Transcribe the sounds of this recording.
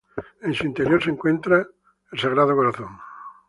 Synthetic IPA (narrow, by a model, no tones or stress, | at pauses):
ẽnsuint̪eɾjoɾseŋkwẽnt̪ɾa | elsaɣɾað̞okoɾaθõŋ